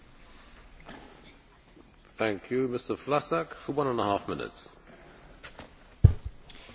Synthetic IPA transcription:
θæ̃ŋkʰjumɪstəflasakfəwãnə̃nəhaːfmɪnɪ̰ts

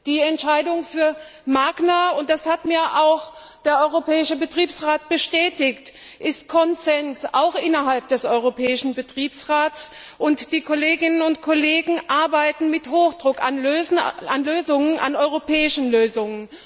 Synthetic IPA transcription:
d̥iːɛntʃaɪdʊŋfyːɐ | maːɡnaʊnt̚d̥ashatmiːɐʔaʊx | d̥eːɐʔɔʏʁopʰɛːɪʃəbətʁ̥iːpsʁaːt̚b̥əʃtɛːtɪkt | ʔɪstkʰɔnzɛnsa̰ʊxʔɪnɐɦalp̚d̥ɛsʔɔʏʁ̞opʰɛːɪʃn̩bətʁ̥iːpsʁaːts | ʔʊntd̥iːkʰoleːɡɪnənʊntkʰoleːɡŋ̩ʔaɐbaɪtn̩mɪthoːxd̥ʁʊka̰nløːzn̩anløːzʊŋənʔa̰nɔʏʁopʰɛːɪʃn̩løːzʊŋən

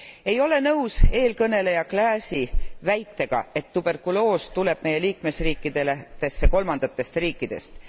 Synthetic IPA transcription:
e̞jo̞le̞nɤwse̞ːlkɤne̞le̞jɑklæːsivæjt̪ːe̞ɡ̥ɑ̰e̞t̪ːub̥e̞rkulo̞ːst̪ule̞b̥̚me̞jːe̞liːkme̞sriːkːˑid̪̥e̞let̪e̞sːeko̞lmɑnd̪̥ɑt̪ːˑe̞st̪riːkːˑid̪̥e̞̰st̪

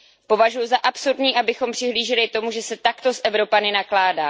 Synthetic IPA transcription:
po̞vaʒujuzaʔapsuɾdɲiːʔabɪxo̞mpr̥ɪɦliːʒɪlɪt̪o̞muʒɛsɛt̪akt̪o̞sʔɛvɾo̞panɪnaklaːdaː

